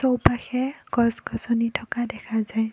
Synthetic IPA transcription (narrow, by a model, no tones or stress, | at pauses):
sɔwpaxɛɡɔsɡɔsɔnitʰɔkadɛkʰazaj